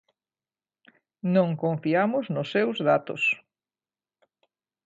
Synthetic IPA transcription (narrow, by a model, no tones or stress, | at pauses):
nõŋkõɱfiamʊznʊsːewzðat̪ʊ̰s